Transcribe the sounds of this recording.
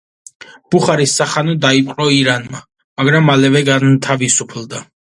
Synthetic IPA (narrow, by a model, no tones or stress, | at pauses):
b̥uχaɾisːaχanɔd̪aipʼqʼɾɔiɾanma | maɡɾamːalɛvɛɡant̪ʰavisupʰld̪a